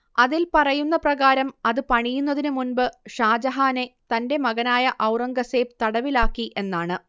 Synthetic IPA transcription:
ɐðilpɐrɐjunːɐprɐɣaːɾɐmɐðɨpɐɳijunːɐðinɨmunbɨʂaːd͡ʑɐɦaːne̞t̪ɐnde̞mɐɣɐnaːjɐʔɐwrɐŋɡɐse̞ːpt̪ɐɽɐʋilaːkːiʔe̞nːaːɳɨ

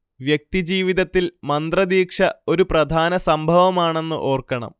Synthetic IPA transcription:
ʋjek̚t̪id͡ʑiːʋiðɐt̪ːilmɐnd̪rɐd̪iːkʂɐo̞ɾuprɐd̪ʱaːnɐsɐmbʱɐʋɐmaːɳe̞nːɨ̰ʔo̞ːrkɐɳɐ̰m

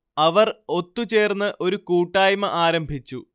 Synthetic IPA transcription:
ɐʋɐro̞t̪ːut͡ɕe̞ːrnːɨʔo̞ɾukuːʈːaːjmɐʔaːɾɐmbʱit͡ɕːu

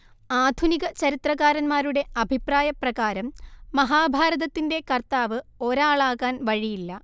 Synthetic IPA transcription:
aːd̪ʱuniɣɐt͡ɕɐɾit̪rɐɣaːɾɐnmaːɾuɽe̞ʔɐbʱipraːjɐprɐɣaːɾɐmːɐɦaːbʱaːɾɐðɐt̪ːinde̞kɐrt̪aːʋɨo̞ɾaːɭaːɣaːnʋɐɻijilːɐ

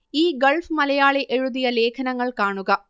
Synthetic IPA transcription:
iːɡɐɭfmɐlɐjaːɭeʔɛɻuðɪjɐleːkʰɐnɐŋɡɐɭkaːɳuɣɐ

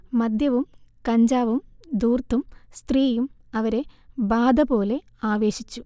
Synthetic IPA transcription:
mɐd̪jɐʋumkɐɲd͡ʑaːʋumd̪uːrt̪ʰːumst̪riːjumɐʋɐɾe̞baːd̪ɐbo̞ːle̞ | aːʋe̞ːɕit͡ɕːu

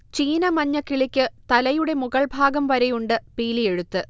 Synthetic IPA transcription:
t͡ɕiːnɐmɐɲːɐkːiɭikʲːɨt̪ɐlɐjuɽe̞muɣɐɭbʱaːɡɐmʋɐɾɐjuɳɖɨpiːlije̞ɻut̪ːɨ

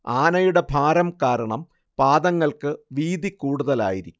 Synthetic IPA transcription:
aːnɐjuɽe̞bʱaːɾɐmkaːɾɐɳɐm | paːd̪ɐŋːɐɭkɨʋiːd̪ikuːɽuðɐla̰ːjiɾikʲːu

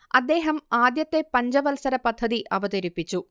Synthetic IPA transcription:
ɐd̪ːe̞ːɦɐmaːd̪jɐt̪ːe̞pɐɲd͡ʑɐʋɐlsɐɾɐpɐd̪ʱːɐðiʔɐʋɐt̪ɐɾipːit͡ɕːu

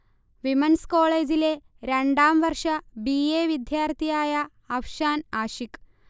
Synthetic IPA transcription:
ʋimənskɔɭed͡zile | ɾaɳɖamʋəɾʂabijeʋid̪jaɾt̪iajaː | wɕanaɕik

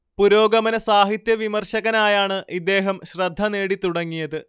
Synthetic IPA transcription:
puɾo̞ːɡɐmɐnɐsaːɦit̪jɐʋimɐrɕɐɣɐnaːjaːɳɨʔid̪ːe̞ːɦɐmɕrɐd̪ʱːɐne̞ːɽit̪uɽɐŋːijɐðɨ

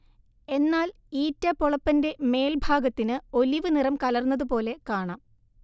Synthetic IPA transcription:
e̞nːaːl | iːtːɐpoɭɐpːɐnde̞me̞ːlbʱaːɡɐt̪ːinɨo̞liʋɨnirɐmkɐlɐrnːɐðɨpo̞ːle̞kaːɳaːm

